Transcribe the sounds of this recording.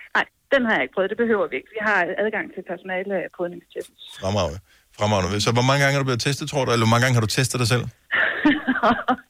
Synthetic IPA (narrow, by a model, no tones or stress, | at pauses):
nɑ̈ɪ̰d̥enhɑ̈jɑ̈e̝ɡ̥̚pʰœːðˠdeb̥e̝ɦøʊ̰ɐʋie̝ɡ̥ʋiɦɑ̈ʔæð̞ˠɡ̥ɑ̈ŋ̰t͡sʰe̝lpʰæɐso̝nɛːlpʰɔðˠne̝ŋst͡ɕʰeb̥n̩sʁɑmʁɑ̈ʊ | fʁɑmɑ̈ʊ̰nəʋsɒ̽ʋɒmɑ̈ŋəɡɑ̈ŋəhɑɾublet͡sʰesd̥ð̩ˠt͡sʰo̰delɐʋɒmɑ̈ŋəɡ̥ɑ̈ŋəɦɑd̥ut͡sʰesd̥ð̩ˠd̥ɑsel̰